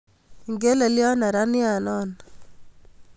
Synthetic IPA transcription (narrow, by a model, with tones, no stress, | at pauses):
ŋɡe˦le˨ljɔ˦na˨ɾa˦nɪ˦a˨nɔ˦n